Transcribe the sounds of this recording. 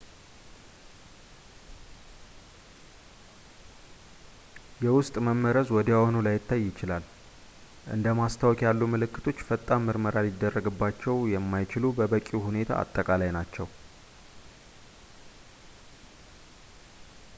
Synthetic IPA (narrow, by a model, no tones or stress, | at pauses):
jɛwʊst̪ʼməmːəɾəzwɔd̪awonulajɪt̪ʰːajːɪt͡ʃɪlal | ʔɨ̰nd̪əmast̪ʰawkʼjalːumɨlɨkːɨt̪ʰo̞t͡ʃːfət̪ʼːamɨɾməɾalɪd̪ːərːəɡɨbːat͡ʃːɛwjɛmːajt͡ʃɪlubəbəkʼuhune̞t̪ʰa̰a̰t̪ʼːəkʼalajnat͡ʃːɛw